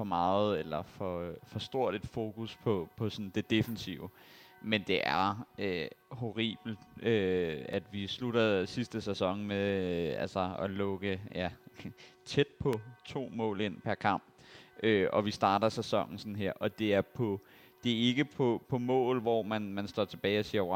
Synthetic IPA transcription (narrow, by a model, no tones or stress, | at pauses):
fɒ̽mɑ̈ːð̩ˠelɐfɒ̽fɒ̽sd̥o̝ɐ̰ɾe̝d̥fo̝ːkʰuspʰɒ̽pʰɒ̽sɒn̩d̥e̝d̥e̝fnsiʊə | mend̥e̝ʔæɐøɦo̝ʁḭːb̥l̩d̥øæd̥ʋisluɾ̥ɐðˠsisd̥əsesɒ̽ŋmeælsɐɒlɔ̽ɡ̥əjæ | t͡sʰed̥̚pʰɒ̽t͡sʰo̝̰ːmɔ̰̽ːle̝n̰pʰæɐkʰɑ̈m̰b̥ʔøʔɒ̽ʋisd̥ɑ̈ːɾɐsesɒ̽ŋ̰n̩sɒn̩ɦeɐ̰ʔɒ̽d̥e̝æɐpʰɒ̽ | d̥e̝e̝ɡ̥əpʰɒ̽pʰɒ̽mɔ̰̽ːlʋɒmænmænsd̥ɒ̰t͡sʰe̝b̥ɛːɪɒsiːɐ